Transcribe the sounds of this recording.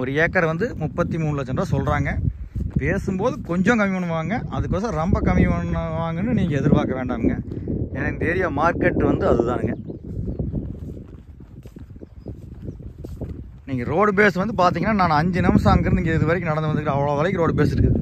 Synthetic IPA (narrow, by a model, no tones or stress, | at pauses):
ɔɾɯjeːkːɐɾʋɐnd̪ɯmʊpːɐt̪ːimuːnɯlɐt͡ʃːɛnraːsɔlɾaːŋɡɐ | peːsɯmpoːðɯkɔɲd͡ʒõːkɐmɪʋɐɳːɯʋaːŋɡɐʔɐðɯkːoːsɐɾɐmbɐkɐmɪʋɐnːɐʋaːŋɡɐnːɯniːŋɡɐɛðɪɾpaːkɐʋeːɳɖaːŋɡɐɛnɐnd̪eːɾɪjaːmaːɾkɛʈːɯʋɐnd̪ɯɐðɯt̪ãːɾɯŋɡɐ | niːŋɡɐɾoːɽp̬eːsʋɐnd̪ɯpaːɾt̪iːŋɡɐnːaːnaːnɐɲd͡ʒɯnɐmsaːŋɡɾɐniːŋɡɐɪðɯʋɐːɾɪkːɯnɐɽɐnd̪ɯʋɐd̪ɯkɾɐ̃ɐʋɐɭɐʋɐːɭɐkːɯ̃ɾoːɽpeːsɪɾɯkːɐðɯ